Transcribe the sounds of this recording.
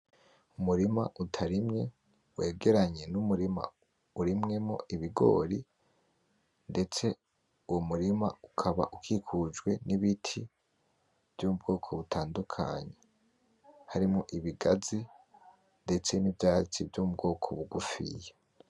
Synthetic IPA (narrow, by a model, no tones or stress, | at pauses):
umuɾima̰ʔutʰaɾimɲe̞ | we̞ːɡe̞ɾaɲe̞numuɾima̰ | uɾimŋe̞mo̞̰ʔiβiɡo̞̰ːɾi | nde̞t͡se̞ | uwomuɾima̰ukʰaβa̰ʔukʰikʰud͡ʒɡwe̞niβitʰi | v̥joːmub̚ɡo̞ːkʰo̞βutʰaːndukʰa̰ɲe̞ | haɾimŋoʔiβiɡazi | nde̞t͡se̞nivjaːɾit͡sivjomub̚ɡo̞ːkʰo̞̰βuɡufḭje